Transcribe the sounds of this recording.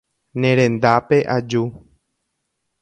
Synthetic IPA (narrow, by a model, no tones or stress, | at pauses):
nẽɾẽ̞nd̪apeʔad͡ʒu